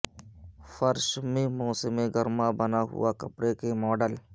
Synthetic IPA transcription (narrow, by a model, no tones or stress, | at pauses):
fəɾʃmẽmoːsɪmẽɡəɾmabənaɦʊ̰wakɐpɾekemɔːɖəl